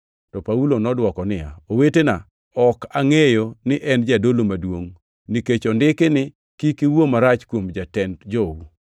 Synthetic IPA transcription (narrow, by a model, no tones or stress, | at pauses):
tɔpaulonɔdwɔkɔnɪja̰owetena | ɔkaŋejonɪʔɛnd͡ʒadolomadwoŋ | niket͡ʃɔndɪkɪnɪ | kikiwomaɾat͡ʃkwomd͡ʒatɛndd͡ʒowu